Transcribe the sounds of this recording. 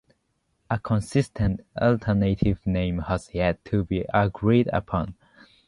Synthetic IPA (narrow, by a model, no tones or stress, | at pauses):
əkʰə̃nsɪstʰə̃ntɔltʰənetʰɪvnẽɪ̃mhəz̥jɛd̚tʰːubiʔəɡɹidə̰pʰɔ̃n